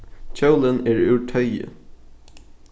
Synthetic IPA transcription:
c͡çʰœʊlənɛːɹʉːʈʰœʏə̰

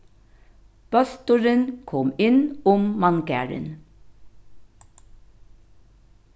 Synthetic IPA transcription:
b̥ɑst̪ʊɹənkʰɔmɪnʊmmɑŋɡæ̰ːɹə̰n

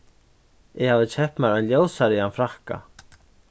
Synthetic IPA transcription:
ɪhaːvðɪt͡ɕʰɛhpnaɾaljoːwsaɾɪanfɾahka̰

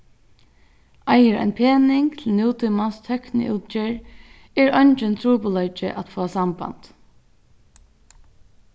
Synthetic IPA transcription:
ajəɹa̰npʰeːnɪŋt̪ʰɪlnjuːt̪ʰʊmast̪ʰœknɪ̰ʔuːt̪̚t͡ʃɪɹ | ɛɹœɲt͡ʃɪnt̪ʰɾuːpʊlœt͡ʃɪ̰ʔat̪foːasamba̰nt̪

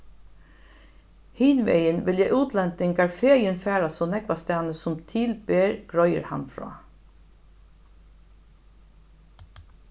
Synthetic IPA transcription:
hɪːnʋḛjənʋɪljɛɪʔuːt̪ʰlɛnt̪ɪŋɡaɹfeːjənfæːɾasɔnɛkʋast̪ɛːnəsʊmt̪ʰiːlbeːɹɡ̥ɹɔjə̰ɾha̰nfɹɔ̰ː

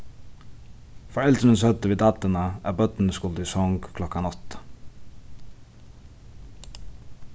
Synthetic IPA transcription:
fɔɹɛlt̪ənənsœt̪əʋiːd̪ɑt̪ənəʔæ̰ːbœt̪n̩əskʊld̪ɪːsɔŋɡkʰlɔkɑnɔt̪ə̥

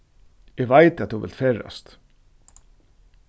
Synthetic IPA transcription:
ɛɣʋajt̪at̪θʰuvɪ̰lt̪feːɹa̰st̪

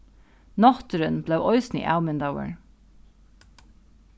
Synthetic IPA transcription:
nɑt̪ɾənbleːʔɔʏsnḭːʔɑʉmənd̪ɑʊə̰ɳ

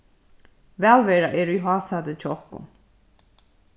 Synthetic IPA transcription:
vælvɛɾaʔɛɾujɦaːsad̪ət͡ʃʰɔχkṵn

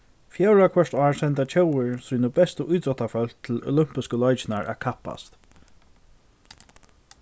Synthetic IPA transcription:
fjɛwɹakʰʋœʂt̪ɑːɹsɛnt̪at͡ʃʰɛwɪɹsunəbɛst̪əʔujt̪ɾɔt̪afœlt̪ʰɪlɔ̰lʏm̥pɪskəlɔjt͡ʃɪnaɹʔæ̰kʰapːa̰st̪

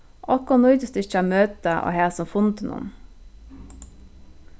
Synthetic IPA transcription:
ʔɔkɔnʊʏt̪əst̪ʉɪçɑmøːt̪əʔo̰ːheːsɔmfʊnt̪nʔʊ̰n

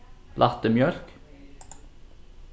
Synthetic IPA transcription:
lʔɑt̪əmjœlk

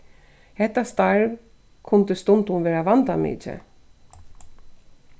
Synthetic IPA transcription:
hɛt̪ːast̪aɹv | kʰʊnt̪ɪst̪ʊnt̪ʊnvɛːɾaʋant̪amɪ̰ːt͡ʃɛ̰

